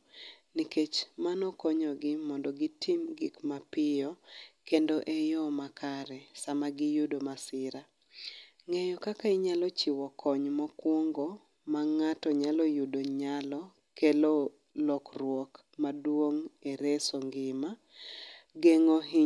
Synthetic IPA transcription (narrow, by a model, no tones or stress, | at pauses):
niket͡ʃmanɔkɔɲɔɡɪmɔndɔɡitimɡɪkmapɪjɔkendoʔejɔmakaɾɛsamaɡɪjudomasɪɾa | ŋejɔkakaiɲalɔt͡ʃiwɔkʰɔɲmɔkwoŋɡo | maŋatɔɲalɔjudoɲalɔ | kelo | lɔkrwok | madwoŋeɾesoŋɡɪma | ɡeŋoɦi